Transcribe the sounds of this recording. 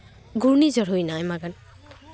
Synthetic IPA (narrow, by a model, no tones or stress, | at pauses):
ɡuɹnizɔɹɦojnajmaɡan